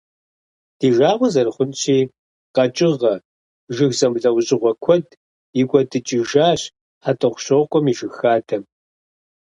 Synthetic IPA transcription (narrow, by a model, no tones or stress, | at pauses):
d̥iːʒaːʁʷɔzɐrɨχʷʊnɕʰiː | qɐt͡ʃʼɪʁɐ | ʒɨxzɐmɮɐwʊɕʼɪʁʷɔkʷʰɔd | ɪɡʷʼɔdɨt͡ʃʼɪʒaːɕ | ħatʼɨʁʷʊɕʷɔʁkʷʼɔmiʒɨxaːtʰɐm